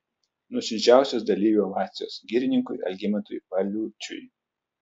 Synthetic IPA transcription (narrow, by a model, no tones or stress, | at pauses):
nʊɔsʲɪd͡ʒʲæˑʊsʲoːs̬d̪ɐlʲiːʋʲuɐʋɑːt̪sʲɪjoːsɡʲiːɾʲɪnʲɪŋkʊɪɐ̰lʲɡʲɪmʲɛnt̪ʊjʋɐlʲuːt͡ʃʲʊ̰j